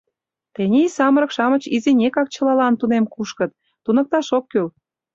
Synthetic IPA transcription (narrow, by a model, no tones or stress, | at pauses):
t̪enʲeisɑməɾə̆kʃɑmə̆t͡ɕizenʲekɑk̚t͡ɕə̆lɑlɑnt̪unemkuʃkə̆t̪̚ | t̪unɤ̆k̚t̪ɑʃokːyl